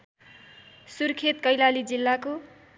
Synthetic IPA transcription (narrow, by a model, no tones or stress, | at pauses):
surkʰet̪kʌjlalid͡zilːako